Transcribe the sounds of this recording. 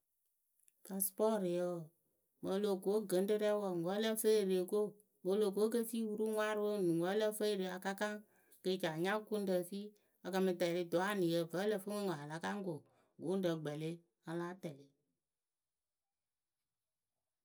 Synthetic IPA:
ka˧spɔː˦˨ɾi˨jə˧˨ | mə˧˦lo˨ko˨˦ɡə˨˦n˦də˦ɾɛ˦wɔ˧˨ŋə˨˦lə˦fə˦e˨ɾe˨e˨ko˦ | mə˧˦lo˨ko˦k̬ə˦fiː˦wu˦ɾu˦ŋʷ˦a˦ɾwo˦˨nũ˨ŋə˨˦lə˦fə˦˨ɾe˨˦a˧ka˦ka˦ŋ | kə˧˨t͡ʃa˨ɲã˦ku˦n˦də˧˨fiː˦ | a˧kə˧mɨ˧tɛ˨ɾi˧dɔ˨˦a˦nĩ˨jə˧və˨˦lə˧˨fə˦ŋə˦ŋə˨ɦa˨la˨˦ka˦ŋ˦ɡo˨ | ɡo˨˦n˦də˨ɡ͡bɛ˨le˦ | a˧la˦tɛ˨le˨˦

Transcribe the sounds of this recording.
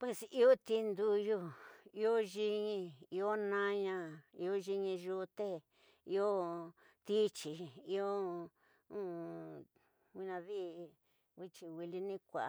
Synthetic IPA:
pwe˧si˧o˦t̪i˧˦nd̪u˧ju˦i˧o˦ʒi˧ɲĩ˧i˧o˦nã˦˧ɲã˧i˧o˦ʒi˧ɲĩ˧ʒu˧t̪e˦ | i˧o˦ | t̪i˦t͡ʃi˨i˧o˦ | ũ˦ | wi˧nã˧ði˦ | wi˧t͡ʃi˧wi˧li˧nĩ˦kʷa˨a˧

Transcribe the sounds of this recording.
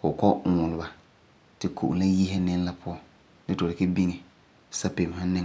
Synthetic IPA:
kʊ˨kɔ˦ʔʊ˨ŋʊ˨lʊ˨ba˨ | tɪ˨kʰo̰˨ʔʊ˨la˦ji˦ɦɛ˦nɪ˦ŋ˦la˦pʊ˦ɔ˦ | nɪ˦tɔ˨ɾɪ˨ke˦bi˦ŋɛ˨ | sa˦pe˨m˨ha˦nɪ˦

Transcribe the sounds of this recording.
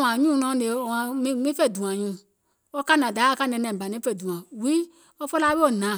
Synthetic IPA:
ã˨ɲũ˦˨nɔ̃˧˦ne˨ã˨mĩ˦mĩ˦fe˦˨du˨ã˨ɲũ˧˨ | o˦ka˦nã˨da˨˦a˦ka˦˨nɛ̃˧˨nɛ̃˨ba˨nẽ˨˦fe˦˨dũ˨ã˨wi˦ | o˦fɔ˦la˦be˦o˦˨nã˨

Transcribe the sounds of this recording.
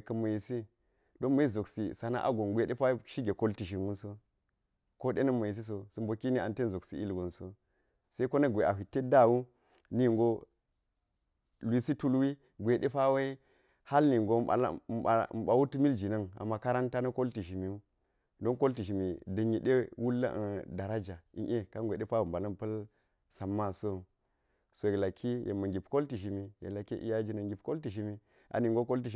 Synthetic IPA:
kɐ˨mɐ˨ji˨si˦ | do˦nmɐ˦i˦zo˨ksḭ˨sa˨na̰˦ʔa̰˦ɡo˨nɡʷe˨ɗe˦pa˦ʃi˦ɡe˨ko˦lti˨ʃ̬i˨mu˦nso˦ | ko˦ɗe˦nɐ˦mɐ˨ji˨s̬i˦s̬o˨su˨mbo˨ki˦ni˦a˨nte˦nzo˨ksḭ˨ḭ˦lɡo˨nso˦ | se˦i˦ko˦nɐ˦ɡʷe˨ʔa˨ɦʷi˨te˦da˦˨wu˦ | ni˦˨ŋɡo˦ | lʷi˦si˦tu˦lwi˦ | ɡʷe˨ɗe˦pa˦we˦i˦ | ha˦lni˨ŋɡo˦a̰˨l̰m˨a̰˨m̩˨ɓa˨wu˦tu˦mi˦ld͡ʒi˨na˦ŋa̰˨mːa˦ka˦ɾa˦nta˦nɐ˦ko˦lti˨ʒi˨mi˨u˦ | do˦nko˦lti˨ʃi˨mi˨də˨ɲi˨ɗe˦wu˦lːa̰˦ʔda˨ɾa˦d͡ʒa˨ḭ˨nʔe˦ka˦ŋɡʷe˨ɗe˦fa˦wo˨m˨ba˨lɐ˦mpɐ˦l | sa˨mːa˦so˦˨ | so˨e˨la˨kʰːi˦je˨mɐ˨ŋɡʲi˨pko˦lti˨ʃi˨mi˨jḛ˨la˨ki˦ʔḭ˦ja˦d͡ʒi˦na˨ŋɡi˨pko˦lti˨ʃi˨mi˨ | a̰˨ni˨ŋɡo˦ko˦lt̬i˨ʃ

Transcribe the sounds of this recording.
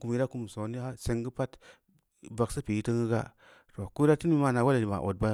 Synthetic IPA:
ku˨mji˦ɾa˦ku˨m˨so˨ni˦a˦se˦ŋɡə˦pa˦t | ba˨ksə˦pi˨i˦tə˦ŋɡə˦ɡa̰˦ | to˨ku˦i˦ɾa˦ti˦n˦i˦ma˦˨na˨wa˦li˨ba̰˨ʔo̰˨t̚ba˦

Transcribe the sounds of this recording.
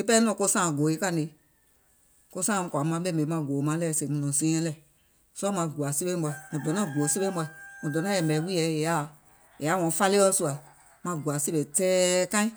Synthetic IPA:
e˦pɛ˦nɔ̃˦ko˦sãː˦˨ɡo˨e˦ka˦˨ne˨˦ | ko˦sãː˦˨˧kʷa˨˦mã˧˦ɓɛ˦˨mẽ˨˦mã˧˨ɡoː˨˦mã˨˦lɛ˦˨se˨mũ˨nɔ̃˨sẽː˦ɛ̃˦lɛ˨ | sɔ˦mã˧ɡu˨a˨se˦bẽ˦bɔ˧i˨nã˨dɔ̃˨nã˦˨ɡu˨o˨se˦bẽ˦bɔ˧˨mɔ̃˨dɔ˨nã˦jɛ˨mɛ˨˦wi˦ɛ˨je˨a˦˨ | je˨a˦wɔ̃˨˦fa˦le˦ɔ˦su˦˧a˨ | mã˧˨ɡu˨a˨se˦be˨tɛː˦kã˦ĩ˦

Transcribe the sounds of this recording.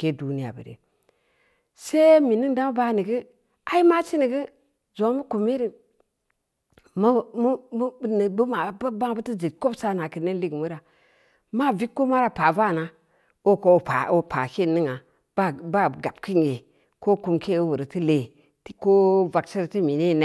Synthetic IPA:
ke˦du˦ni˦a̰˨bə̰˨ɾḛ˨ | se˦mi˨ni˦nda˦m˦ba˦ni˨ɡə˦ | a˨i˦ma˦t͡ʃi˦ni˨ɡə˦ | zo˨˦mə˦ku˨me˦ɾi˦ | m˦m˦˨n˨bə˦ma˨bba˦ŋ˦bə˦ti˦d͡ʒi˨t̚ko˦bsa˦na˨ki˨ne˦li˦ɡmu˦ɾa˨ | ma˦˨vi˦kːo˦ma˦ɾa˨pa˨va˦˨na˨ | o˦ko˨˦˨pa̰˨o˨pʰa̰˨ki˦˨ni˦ŋa˨ | ba˦ba˦ɡa˨bki˦ŋ˨ɡe˨ | ko˦ku˨mkʰe˦˨o˦wu˨ɾi˨ti˦le˨ | tko˦va˨ksi˦ɾti˦mi˨ni˦˨ne˨

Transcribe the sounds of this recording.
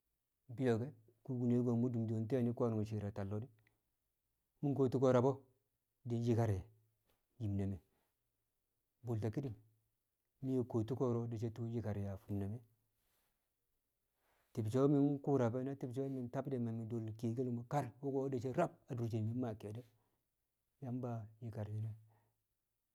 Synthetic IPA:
bi˦jo˨ɡe˦ | ku˦ɡu˨ne˦ɡo˨mu˦du˨mdo˨n˦te˦˨ni˦ka˦n˨o˨ʃi˨ɾa˨ta˨lːo˨˦di˦ | mu˦nko˨tu˦ko˦ɾa˨bo˦ | di˨n˦d͡ʒi˦ka˨ɾja˨ | ji˨mna˨me˨ | bu˨lta˨ki˦di˦˨m˨ | mi˦je˦˨ko˨tu˦ko˦ɾo˦de˨t͡ʃe˦tu˦d͡ʒi˦ka˨ɾja˨fu˨nna˨me˦ | ti˨bt͡ʃe˦mi˦n˦ku˦ɾa˨be˦na˦ti˦bt͡ʃe˦mi˨nta˦bde˨me˨mi˨do˨lki˨ɡi˦lma˨ka˦ɾwu˦ɡo˦de˨t͡ʃe˦ɾa˦b̚a˨du˨ɾt͡ʃi˨mi˨˦ma˨ke˨de˦ | ja˦mba˦ji˨ka˨ɾji˦na˦

